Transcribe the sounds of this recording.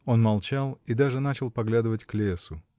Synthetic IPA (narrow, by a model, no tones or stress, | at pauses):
o̞nmɐlˠt͡ɕalˠid̪aʐɨnat͡ɕɪlˠpɐɡlʲad̪ɨvətʲklʲesʊ